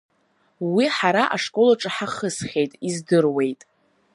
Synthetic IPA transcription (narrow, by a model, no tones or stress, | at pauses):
wiħaɾaʔaʂkʼo̞laʈ͡ʂʼɨħaχəsχʲe̞jtʼizdɨrwe̞jtʼ